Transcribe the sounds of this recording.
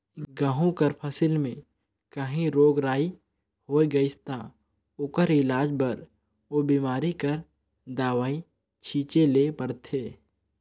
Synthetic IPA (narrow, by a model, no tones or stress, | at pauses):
ɡaːɦõkəɾpʰəsɪlmẽ | kəɦĩɾoːɡɾaːi | hoːeɡɐɪst̪a | ʊkəɾɪlaːd͡ʒbɐɾ | obiːmaːɾikəɾ | d̪aːʋaːi | t͡ʃʰiːt͡ʃeleːpəɾt̪ʰeː